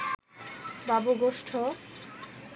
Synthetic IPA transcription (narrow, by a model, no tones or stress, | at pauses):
baboɡoʃʈʰo